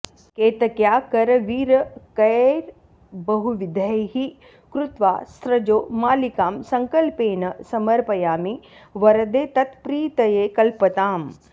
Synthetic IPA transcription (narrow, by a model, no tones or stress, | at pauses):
keːt̪ɐkjaːkɐɾɐʋiːɾɐkɐjɾ | bɐɦuʋid̪ʱəɦi | kɾut̪ʋa̰ːst̪ʰɾɐd͡ʒoːmaːlikaːmsɐŋkɐlpeːnɐsɐmɐɾpɐjaːmiʋɐɾɐd̪eːt̪ɐt̪pɾiːt̪ɐjeːkɐlpɐt̪aːm